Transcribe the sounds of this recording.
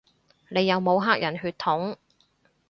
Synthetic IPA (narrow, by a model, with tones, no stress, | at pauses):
ne˨˧jːɐ˨˧wmo˨˧wɦaː˥k̚jʔɐ˨˩nɦyː˧t̪̚ʰʊ˨˥ŋ